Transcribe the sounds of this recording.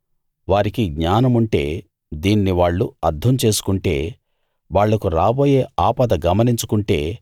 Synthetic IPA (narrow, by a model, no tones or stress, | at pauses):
ʋaːɾikiɡɲaːnɐmuɳʈe̞ː | d̪iːnːiʋaːɭːuɐɾd̪ʱɐmt͡ʃe̞ːsu̥kuɳʈe̞ː | ʋaːɭːɐkuɾaːbo̞ːje̞ːaːpɐd̪ɐɡɐmɐniɲt͡ʃu̥kuɳʈe̞ː